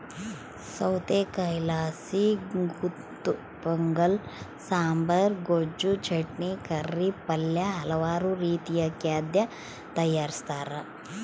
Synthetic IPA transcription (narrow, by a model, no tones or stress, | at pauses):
sɐwt̪eːkɐjlaːsiɡutt̪ːu | pɐŋɡɐl | saːmbɐɾɡod͡ʒut͡ʃɐʈnikɐɾːipɐljɐɦɐlɐʋaːɾuɾiːt̪ijɐkjaːd̪jɐ | t̪ɐjːaːɾist̪aːɾɐ